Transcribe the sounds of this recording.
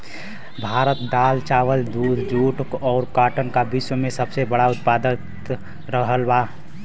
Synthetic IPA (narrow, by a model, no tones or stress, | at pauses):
bʱaːɾət̪d̪aːlt͡ʃaːwəld̪uːd̪ʱd͡ʒuːʈkɔːɾkaːʈənkabiswəmẽsəbsebəɽaʊt̪̚paːd̪ət̪ | ɾəɦəlbaː